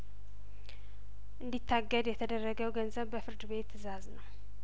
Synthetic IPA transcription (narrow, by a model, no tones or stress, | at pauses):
ʔɨnd̪it̪ʰːaɡːəd̪jɛt̪ʰəd̪ərːəɡəwɡənzəβbəfɨɾd̪ɨβe̞t̪ɨzaznəw